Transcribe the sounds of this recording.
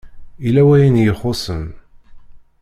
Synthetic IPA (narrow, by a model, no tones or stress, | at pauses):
ilæwæjənjəχosən